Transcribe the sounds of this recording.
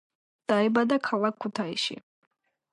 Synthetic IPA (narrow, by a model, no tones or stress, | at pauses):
d̥ajbadakʰalakʰʷːutʰajʃḭ